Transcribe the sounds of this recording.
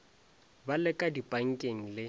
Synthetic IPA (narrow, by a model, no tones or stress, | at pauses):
balɛkʼadipʼaŋ̩kʼeŋ̩lɪ